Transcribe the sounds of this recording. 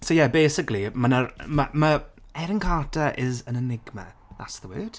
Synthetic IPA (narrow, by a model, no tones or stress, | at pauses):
sojɛbeːsɪklimənəɾməmə | ɛɾɪnkʰaːtʰəʔɪzənənɪɡmə̰ða̰tsðəwəːd̥